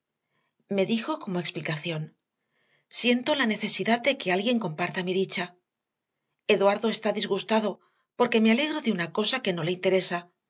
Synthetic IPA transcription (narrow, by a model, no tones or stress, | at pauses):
me̞ðixo̞ko̞mo̞eksplikaθjo̞n | sje̞nt̪o̞lane̞θe̞siðaðd̪e̞ke̞alɣje̞ŋko̞mpaɾt̪amiðit͡ʃa | e̞ðwaɾðo̞e̞st̪aðizɣust̪aðo̞ | po̞ɾke̞me̞ale̞ɣɾo̞ðeunako̞sake̞no̞leint̪e̞ɾe̞sa